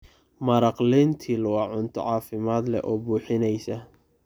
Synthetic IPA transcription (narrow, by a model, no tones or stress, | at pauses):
mɐɾɑqlɛnt̪ʰiːlɐwɑʕʊnt̪ʰɔ̰ʕɑːfɪmaːd̪lɛ̰ʔɔːbuːħɪnɛjsɐ